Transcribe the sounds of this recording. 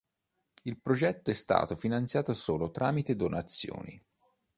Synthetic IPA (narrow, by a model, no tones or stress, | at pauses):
ilpɾod͡ʒɛt̪ːoɛst̪a̰ːt̪ofinant̪sjaːt̪osoːlot̪ɾʔaːmit̪ed̪onat̪sːjo̰ːnḭ